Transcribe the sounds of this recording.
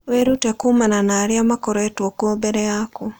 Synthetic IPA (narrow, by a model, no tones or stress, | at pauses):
wɛɾutɛkumananaɾiamakɔɾɛtuɔkuɔbɛɾɛaku